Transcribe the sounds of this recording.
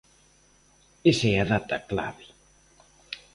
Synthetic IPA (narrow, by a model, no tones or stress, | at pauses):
eseaðat̪akla̰βe